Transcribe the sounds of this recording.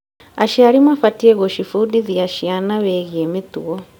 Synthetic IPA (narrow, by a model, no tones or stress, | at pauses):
aʃiaɾimafatiɛɣɔʃifudiðiaʃianawɛɣiɛmɛtuɔ